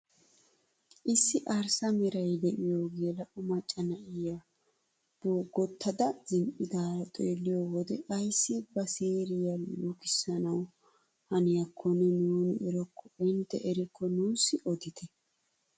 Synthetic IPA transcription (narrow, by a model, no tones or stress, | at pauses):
ʔɪsːɪʔɐɾsɐmɛɾɐjd̪ɛʔɪjoːɡeːlɐʔmɐt͡ʃʼːɐnɐʔɪja | b̥oːɡɔt̪ʰːɐd̪ɐzɪmpʼɪd̪aːt̪ʼeːlːɪjoːwɔd̪ɛɐjsːɪbɐseːɾɪjɐluːkɪsːɐnɐw | hɐnɪjɐkʰːɔnːɛnuːnɪɪɾɔkʰːɔɪnt̪ːɛʔɛɾɪkʰːɔnuːsːɪʔɔd̪ɪt̪ʰɛ